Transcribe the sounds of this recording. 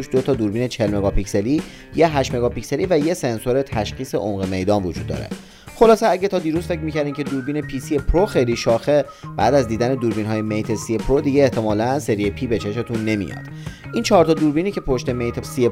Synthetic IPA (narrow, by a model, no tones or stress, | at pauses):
uʃd̪ot̪ʰɒːd̪uːɾbiːnet͡ʃʰe̞lme̞ɡɒːpʰicse̞liː | jeɦæʃme̞ɡɒːpicse̞liːvæjese̞nso̞ɾet̪ʰæʃxiːse̞̰ʔomɣeme̞jd̪ɒːnvod͡ʒṵːd̪ːɒ̰ːɾe̞̰ | χo̞lɒːseæɟet̪ʰɒːd̪iːɾuzfe̞cʰmiːcʰæɾd̪imcʰe̞d̪uːɾbiːne̞pʰisiepʰɾoxejliːʃɒːxe | b̥æ̰ːd̪æzd̪iːd̪æne̞d̪uːɾbiːnɦɒːje̞mejt̪ʰe̞siepʰɾod̪iɟeːht̪ʰe̞mɒːlænse̞ɾiepʰiːbe̞t͡ʃʰe̞ʃe̞t̪ʰunːe̞mḭjɒ̰d̪̥ | ʔiːnt͡ʃʰɒːɾt̪ɒːd̪uːɾbiːniːcʰepʰo̞ʃt̪e̞mejt̪ʰesie